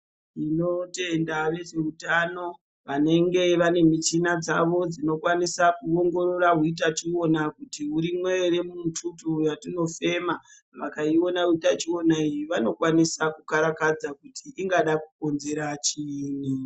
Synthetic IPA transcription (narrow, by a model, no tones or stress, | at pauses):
ino̞te̞ndaʋe̞ʐe̞utano̞ | ʋane̞ŋɡe̞ʋane̞mit͡ʃinad͡zaʋo̞d͡zino̞kwanisakuoŋɡo̞ɾo̞raɦuit̬at͡ʃio̞nakutiuɾimwe̞eɾe̞mumutʰutujatino̞fe̞ma | ʋakaio̞nauitat͡ʃio̞naijiʋano̞kwanisakukaɾakad͡zakutʰiʔiŋɡaɗakuko̞nze̞ɾat͡ʃini